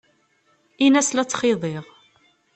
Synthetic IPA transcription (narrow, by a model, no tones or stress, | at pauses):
inæslæt͡sːχɪðˤeʁ